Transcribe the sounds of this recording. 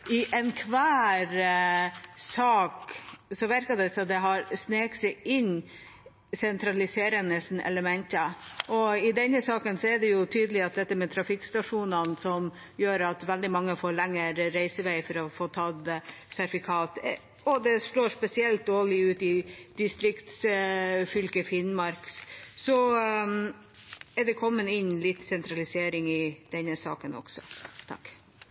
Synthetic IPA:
ɪʔɛnkʰʋæːɾ | sɑːksɔʋæɾkɑd̪ɛsɔd̪ɛɦɑɾsneːksɛɪʔɪnː | sɛnt̪ʰɾɑlɪseːɾənəsn̩ɛ̰ləmɛnt̪əʔɔɪd̪ɛnːəsɑːkənsɔɛɖɛjʊt̪ʰyːd̪əlɪɑt̪̚d̪ɛt̪ːəmɛt̪ʰɾɑfɪkːst̪ɑʂuːnənsɔm | jøːɾɑt̪ʋɛld̪ɪmɑŋːəfoːɭɛŋːəɾɾæɪsəʋæɪfɔɾɔfoːt̪ʰɑd̪sæɾfɪkʰɑːt̪ | ɔd̪ɛʂloːʂpɛsɪɛlt̪̚d̪oːɭɪʉːt̪ɪd̪̥ɪst̪ɾɪkt̪sfʏlkəfɪnmɑɾksɔ | ɛɖɛkʰɔmːənɪnlɪt̪ːsɛnt̪ɾɑlɪseːɾɪŋɪd̪̥ɛnːəsɑ̰ːkənɔ̰ksɔ̰t̪ʰɑ̰kː

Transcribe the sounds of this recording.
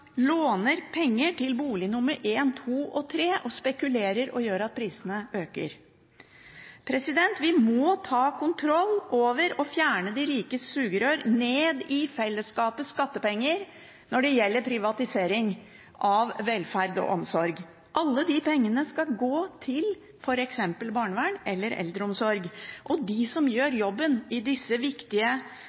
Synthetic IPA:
loːnəɾpʰɛŋːəʈʰɪlbuːlɪnʊmːəɾʔeːnt̪ʰuːʔɔt̪ʰɾeːʔɔspɛkʉleːɾəɾɔ̰jøːɾɑt̪̚pʰɾiːsənəøːkə̰ɾ | pʰɾɛsɪd̪ɛnt̪ʋɪmɔt̪ʰɑːkʰʊnt̪ʰɾɔlːoːʋəɾɔfjæːɳəd̪ɪɾiːkəsʉːɡəɾøːɾneːd̪ɪfɛlːəskɑːpəskɑt̪ːəpɛŋːəɾ | nɔɖɛjɛlːəɾpʰɾɪʋɑt̪ɪseːɾɪŋ | ʔɑʋʋɛlfæɾd̪ɔ̰ʔɔmsɔɾɡ | ʔɑlːəd̪ipʰɛŋːənəskɑlɡoːt̪ʰɪl | fɔɾɛksɛmpəlbɑːɳʋæːɳʔɛlːəɾɛ̰ld̪ɾəɔmsɔɾɡʔɔd̪ɪsɔmjøːɾjɔbːənɪd̪ɪsːəʋɪkt̪ɪə

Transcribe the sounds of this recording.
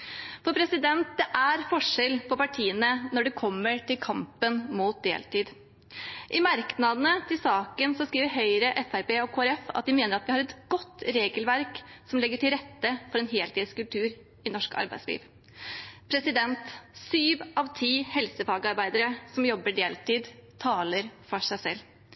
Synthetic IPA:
fɔɾpʰɾɛsɪd̪ɛnt̪̚d̪ɛʔæɾfɔʂɛlpʰɔpɑʈʰiːənənɔɖɛkʰɔmːəʈɪlkʰɑmpənmuːt̪̚d̪ḛːlt̪iːd̪ | ʔɪmɑɾknɑd̪ənət̪ʰɪlsɑːkənsɔskɾiːʋəɾɦœʏɾəʔɛfæɾpeːɔkʰoːæɾɛfɑ̰t̪̚d̪ɪmeːnəɾɑt̪ʋɪhɑɾɛt̪ɡɔt̪ːɾeːɡəlʋæɾksɔmlɛɡːəʈʰɪlɾɛt̪ːəfɔɾɛnɦeːlt̪iːd̪əskʉlt̪ʰʉːɾ | ɪnɔʂkɑ̰ɾbæɪslḭːʋ | pʰɾɛsɪd̪ɛnt̪syːʋɑʋt̪ʰiːhɛlsəfɑːɡəɑɾbæɪd̪əɾəsɔmjɔbːəɖeːlt̪iːd̪t̪ʰɑːləɾfɔʂæɪsɛlː

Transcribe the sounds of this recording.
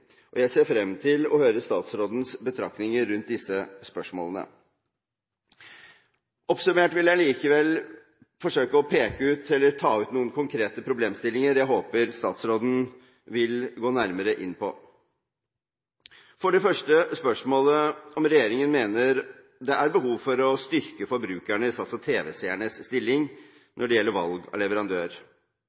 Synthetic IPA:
ʔɔjæɪseːɾfɾɛmt̪ʰɪlɔ̰høːɾəst̪ɑːt̪sɾoːd̪n̩sbət̪ʰɾɑ̰knɪŋəɾːʉnt̪̚d̪ɪsəspœʂmo̰ːlənə̰ | ʔɔpsʉmeːʈʋɪljæɪliːkəʋɛl | fɔʂøːkəɔpʰeːkəʉːt̪ʰɛlːəɾt̪ʰɑːʉːt̪nuːənkʰʊŋkʰɾeːt̪əpʰɾʊbleːmst̪ɪlːɪŋəɾjæɪɦoːpəɾst̪ɑ̰ːt̪sɾoːd̪n̩ | ʋɪlɡoːnæɾməɾəʔɪ̰nːpʰɔ̰ | fɔɖɛfœʂʈəspœʂmoːləɔmɾɛjeːɾɪŋənmeːnəɾ | d̪ɛʔæɾbəɦuːʋfɔɾɔst̪ʏɾkəfɔɾbɾʉːkæɳəɪst̪ɑt̪sɑt̪ʰeːʋɛ̰sæəɳəsːt̪ɪlːɪŋ | nʔɔɖɛjɛlːəɾʋɑ̰lɡɑ̰lɛʋəɾɑnd̪øːɾ

